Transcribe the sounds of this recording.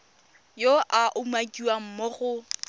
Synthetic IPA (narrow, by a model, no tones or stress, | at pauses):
joʔaʔʊmakʼiwam̩moɣʊ